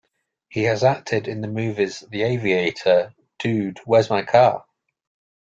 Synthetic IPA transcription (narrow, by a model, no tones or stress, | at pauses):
hiəzak̚tʰɪdɪ̃nðəmʉːvɪz̥ðieɪvieɪtʰə | d̥ʉːdwɛzmãnkʰɑ̰ː